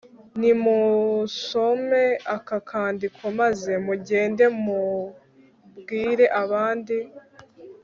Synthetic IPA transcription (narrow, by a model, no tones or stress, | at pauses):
nimuso̞me̞akakʰaːndikʰwomaze̞muɟe̞ːnde̞mu | bɡiːɾe̞ʔaβaːndi